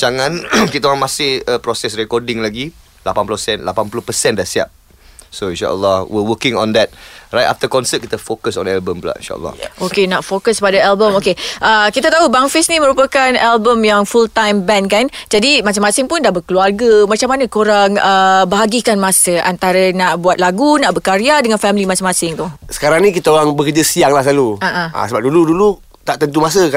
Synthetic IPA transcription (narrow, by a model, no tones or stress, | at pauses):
d͡ʒaŋãnkit̪aaŋmasɪhəpɾɔsɛsɾɛkɔdɪ̃ŋlaɡi | lapanpulusɛnlapanpuluhpəsɛ̃ndasia̰p̚ | soĩnʃa̰ʔə̰lːɔhwiwəkɪ̃ŋɔ̰̃ndɛt̚ra̰jt̚a̰ft̪əkɔnsət̚kit̪əfokəsɔ̰̃nɛlbəmpəla̰ʔḭnʃa̰ʔə̰lːɔ̰hʔokenaʔfokəskpadəalbəmokeʔəkit̪at̪aɦubaŋfɪsniməɾupəkanɛlbəmjaŋfult̪ãjmbɛnkand͡ʒadimas̬amasɪŋpʊndaʔbəkəluarɡəmat͡ʃamanə̃koɾaŋəbaɦaɡikanmasəʔant̪aɾənaʔbuat̪̚laɡunaʔbəkaɾiadəŋanfɛmlimasɪŋmasɪŋt̪ʊsə̥kaɾaŋnĩkit̪aoɾaŋbəkəd͡ʒasiaŋlaslaluaʔãa̰səbap̚duludulu | t̪aʔt̪ənt̪umas̬əka